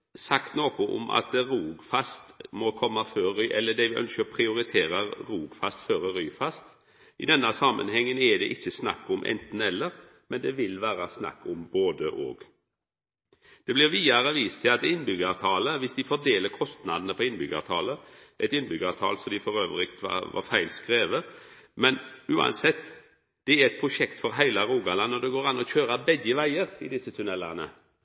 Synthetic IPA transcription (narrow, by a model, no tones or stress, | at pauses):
sɑkt̪noːkʊʔʊ̰mʔɑ̰t̪ɾuːɡfɑst̪mɔkʰɔmːɑføːɾyːʔɛlːəd̪ɛʋɪʔœ̰nskəpʰɾɪʊɾɪt̪ʰeːɾəɾuːɡfɑst̪føːɾəɾyːfɑst̪ | ɪd̪ɛnːɑsɑmə̰nhɛŋːənɛd̪ɛʔɪçːəsnɑ̰kːʊmʔɛ̰nt̪n̩ɛlːəɾ | mɛnd̪ɛʋɪlʋæːɾɑsnɑ̰kːʊmboːd̪əʔo̰ːɡ | d̪̥ɛblɪʁʋiːɑɾəʋiːst̪ʰɪlɑt̪ɪnːbʏɡəɑt̪ʰɑːləʋɪsd̪ɪfɔd̪eːləɾkʰɔst̪nɑd̪nəpʰɔɪnːbʏɡɑ̰ʋt̪ʰɑːləʔɛt̪ɪnːbʏɡɑːʋt̪ʰɑ̰ːlsɔmd̪ɪfɔɾøːʋəlɪkt̪ʰʋɑ̰ʋɑ̰ɾfæɪlskɾeːʋəmɛnʉːɑ̰nsɛt̪ː | d̪̥ɛɛæɾɛt̪̚pʰɾʊʃɛkt̪fɔɾɦæɪlaɾuːɡɑlɑnɔd̪ɛɡoːɾɑnːɔçøːɾəbɛɡːəʋæɪəɾɪ̰d̪ɪsːət̪ʰʉnɛlːɑʁnə̰